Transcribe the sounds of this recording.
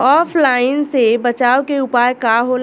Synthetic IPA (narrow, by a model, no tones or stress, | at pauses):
ɔːfʰlaːɪnsebɐt͡ʃaːokeʊpaːjkaɦol